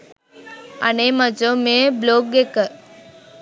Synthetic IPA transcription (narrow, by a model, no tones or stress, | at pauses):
ɐnemɐd͡ʒomebloːk̚ɡekə